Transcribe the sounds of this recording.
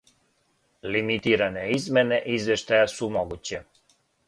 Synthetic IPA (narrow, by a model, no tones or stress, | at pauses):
limit̪iɾanɛizmɛnɛʔizvɛʃt̪ajasumɔɡut͡ɕɛ